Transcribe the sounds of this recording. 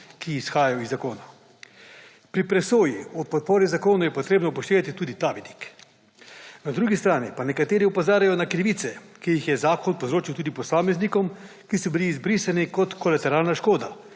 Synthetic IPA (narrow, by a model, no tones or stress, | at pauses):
kiːsxaːjajɔizːakoːna | pɾipɾɛsoːjiɔpɔt̪̚poːɾizakoːnɔjɛpɔt̪ɾeːbnɔpɔʃt̪eːʋat̪it̪uːd̪it̪aːʋid̪i̥k | nad̪ɾuːɡist̪ɾaːnipanɛkat̪eːɾiupozaːɾajɔnakɾiʋiːt̪sɛkijixjɛzaːkɔnpozɾoːt͡ʃiwt̪uːd̪ipɔsaːmɛznikɔm | kisɔbiliːzbɾiːsanikɔt̪kɔlat̪ɛɾaːlnaʃkoːd̪a